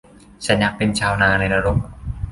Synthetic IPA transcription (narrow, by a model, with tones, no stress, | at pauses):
t͡ɕʰa˦˥nja˦˧˥k̚pe˧nt͡ɕʰaː˧wnaː˧na˧jɾa˧ɾo˧˩m̚